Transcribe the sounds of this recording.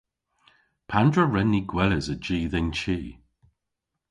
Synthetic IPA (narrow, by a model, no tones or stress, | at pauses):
pʰandɹəɹɛnːiɡwɛləzəd͡ʒiːðɪnt͡ʃʰiː